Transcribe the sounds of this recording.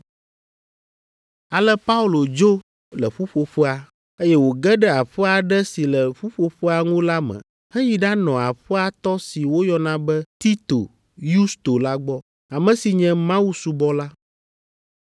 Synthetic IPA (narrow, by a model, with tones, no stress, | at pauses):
a˨lɛ˦pa˦u˦lo˨d͡ʒo˦ | lɛ˨ɸu˦ɸo˨ɸə˦a˨ | e˦jɛ˦wo˨ɡɛ˦ɖɛ˦a˨ɸɛ˦a˨ɖɛ˦si˨lɛ˨ɸu˦ɸo˨ɸə˦a˨ŋũ˦la˦mɛ̰̃˨ | hɛ˦ji˨ɖa˦nɔ̃˨a˨ɸɛ˦a˨t̪ɔ˦si˨wo˦jɔ˦nã˨˦bɛ˦t̪i˦t̪o̰˨ | ju˦st̪o˨la˦ɡ͡bɔ˦ | a˨mɛ̃˨si˨ɲɛ̃˦mã˦wu˦su˨bɔ˦la˦